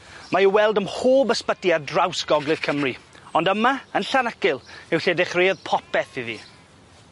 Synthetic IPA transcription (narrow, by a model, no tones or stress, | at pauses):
majiwɛlˠdəmhoːbəspədiadrawsɡ̥ɔɡlˠɨð̥kʰəmriɔndəmaənɬanəkɪlˠɪwɬedɪχreːðpʰɔpɛθiðḭː